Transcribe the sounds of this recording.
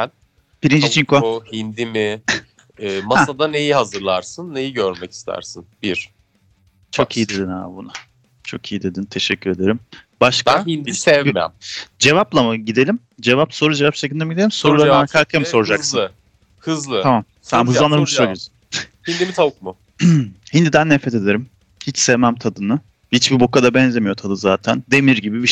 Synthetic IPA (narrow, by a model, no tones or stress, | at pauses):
æn | b̥iɾind͡ʒit͡ʃʰiŋkʰohind̪imi | ɛːmahad̪ane̞jiɦazɯɾlˠaɾsɯnːe̞jiɟøɾmɛci̥st̪ʰæ̰ɾsinbiɾ̥ | t͡ʃʰo̞kʰijid̪ed̪inha̰ːbuna | t͡ʃʰo̞̰kʰijid̪e̞d̪int̪ʰe̞ʃɛcʰːyɾe̞d̪e̞ɾimbaʃkahind̪isɛvmja̰md͡ʒe̞vaplˠamɯɟid̪e̞lʲim | d͡ʒe̞vapso̞ɾud͡ʒevapt͡ʃʰecinemid̪e̞lʲimso̞ɾulˠaɾaɾkʰakʰamso̞ɾud͡ʒasɯnɯ | hɯzlˠɯamam | sænbuzanɯɾmɯʃos | hind̪imit̪ʰabkmʊ | hind̪id̪ænːefɾet̪ʰe̞d̪e̞ɾim | hit͡ʃsevmæmt̪ʰad̪ɯnɯ | hit͡ʃbibo̞kad̪abɛnzʲe̞mijo̞t̪ʰad̪ɯzaːt̪ʰænd̪e̞miɾɟibibi